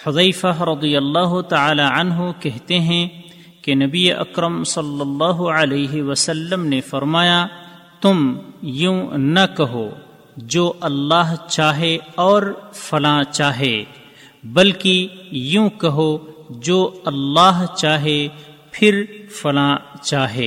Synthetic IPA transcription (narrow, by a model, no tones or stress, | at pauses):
hʊd̪eːfaɦɾɐd̪ijəlːaːɦʊt̪ɐaːlaɐnɦukɛɦt̪eɦɛ̃ | kenɐbieʔɐ̰kɾəmsɐlːəlːaːɦʊɐleːɦewəsəlːəmnefɐɾmaːja | t̪ʊmjũnɐkɐɦoː | d͡ʒoːʔɐlːaːɦt͡ʃaːɦeɔːɾfɐlãt͡ʃaːɦe | bɐlkijũːkɐɦod͡ʒoːɐlːaːɦt͡ʃaːɦe | pʰɪɾfɐlãt͡ʃaːɦeː